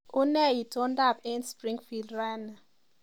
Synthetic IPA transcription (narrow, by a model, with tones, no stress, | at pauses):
ʊ˦nɛ˦˨i˨tɔ˦nda˦˨pe˦nspɾi˦ŋfi˨ldɾa˦na˨